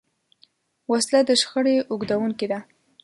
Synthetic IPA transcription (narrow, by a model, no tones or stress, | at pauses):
waslad̪əʃxəɽeʔʊɡd̪awuŋked̪a